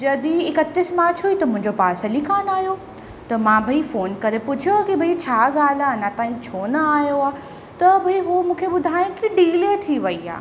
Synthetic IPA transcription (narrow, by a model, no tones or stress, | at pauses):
d͡ʑɐd̪iɪkət̪ɪsmaːt͡ɕʰuit̪ɐmʊ̃ɦɪ̃ɲd͡ʑopaːsəlikaːnaːɦijo | t̪ɐmãbʱɐifoːnkɐɾepʊd͡ʑʱokibʱɐit͡ɕʰaːɠaːl̤anãt̪ãːĩt͡ɕʰoːnəaːijoaː | t̪ɐbʱɐiɦomũːkʰeɓʊd̪ʱaːj̃ẽkiɖiːlet̪ʰiʋɐia̰ː